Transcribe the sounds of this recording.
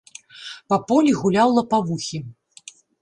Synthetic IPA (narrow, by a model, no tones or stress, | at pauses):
pɐpɔlʲiɣulʲawlˠɐpavuxʲi